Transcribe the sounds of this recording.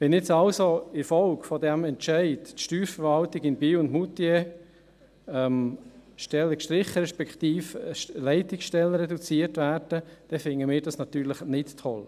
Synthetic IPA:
ʋɛnɪt͡sɑlsoɪɾfɔlkfɔdɛmɛntt͡ʃæɪdtʃtyːɾfəɾʋɑltɪɡɪnbiːʊndmutiɛ | ɛmʃtɛləkʃtɾɪχəɾɛʃpɛkχt̪iːflɛɪtɪksʃtɛlːəɾɛdut͡siərtvæːɾd̥əd̥ɛfɪŋːəmɪːɾdɑsnɑt̪yːɾləχnɪttʰɔl

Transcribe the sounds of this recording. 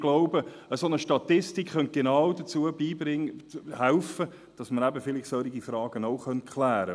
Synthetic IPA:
ɡ̥loʊbə | əsonəʃtɑt̪ɪstikχœnt̚ɡ̥enaʊdət͡suəbiːbɾɪŋhɛlfə | d̥ɑsməɾæbəfɪlɪχsœɾiɡifɾɑːɡ̥ənoʊχœnt̚kʰlæːɾə

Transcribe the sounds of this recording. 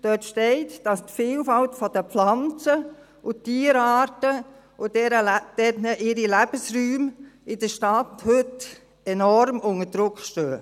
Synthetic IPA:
d̥œtʃtɛɪtd̥ɑstfiːlfɑltfɔd̥əpflɑnt͡sə | ʊtiːəɾɑːɾtə | ʊdɛɾəd̥ɛnəʔɪɾilæb̥əsɾyːmɪd̥əʃtɑthøt | ɛnɔɾmʊŋəd̥ɾʊkʃtøː

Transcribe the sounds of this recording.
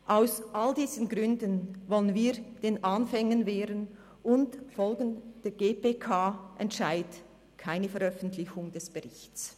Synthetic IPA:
ʔaʊsʔaldiːzənɡʁʏndənvɔlənviːɐd̥eːnʔaːnfɛŋənveːɾən | ʊntfɔlɡn̩d̥ɛːɡeːpeːkʰaːʔɛntʃaɪt | kʰaɪnəfɛɾʁœfən̩tʰlɪçʊŋd̥ɛsb̥əʁɪçtt͡s

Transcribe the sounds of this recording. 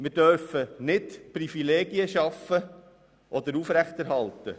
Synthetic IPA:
mɪɾdœɾfənɪtprifileːɡiəʃɑfə | ʔɔd̪əɾufɾæχt̪ɛɾɦɑlt̪ə

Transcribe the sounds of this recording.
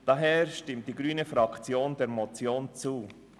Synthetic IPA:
d̥ɑɦɛːɹʃtɪmt̚d̥iːɡɾyːnəfɾɑkt͡sjoːndɛːɾmɔt͡sjoːnt͡suː

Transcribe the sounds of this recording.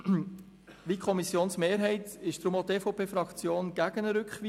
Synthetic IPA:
ʋikʰχɔmisjoːnsmeːɾɦɛɪtɪʃd̥ɾʊmotefoʊpʰeːfɾɑkt͡sjoːnɡ̥æɡ̥ənəɾʏkχʋiː

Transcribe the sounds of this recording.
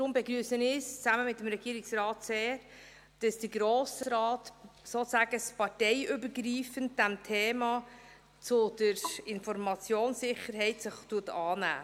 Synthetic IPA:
d̪ɾʊmbɛɡɾyːsənɪst͡sæməmɪtːəmɾɛɡiːɾɪksɾɑːtseːɾ | d̥ɑsd̥əɡɾoːsɾɑːtsoːtsæːɡəspɑɾtɛjʔʏbəɾɡɾiːfənt̚d̥æmtʰɛːmɑ | t͡sʊd̥əɾɪnfɔɾmɑt͡sjoːnsɪχəɾɦɛɪtsɪχtuːətɑːnæ̰ː

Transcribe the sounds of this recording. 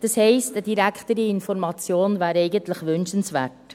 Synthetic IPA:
d̥ɑshɛɪstəd̥iɾækχtəɾiɪnfɔɾmɑt͡sjoːnvæːɾɛɪɡəntləχʋʏnʃənsʋæːɾt

